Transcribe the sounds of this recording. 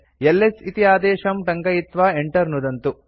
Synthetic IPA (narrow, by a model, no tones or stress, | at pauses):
elːesit̪ijaːd̪ɛːʃɐmʈɐŋɡɐjit̪ʋaːeɳʈɐɾnud̪ɐnt̪u